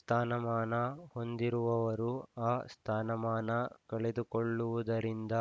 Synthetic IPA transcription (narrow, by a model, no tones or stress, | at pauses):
st̪ʰaːnɐmaːnɐho̞nd̪iɾuʋɐʋɐɾuaːst̪ʰaːnɐmaːnɐkɐɭed̪ukoɭːuʋud̪ɐɾind̪ɐ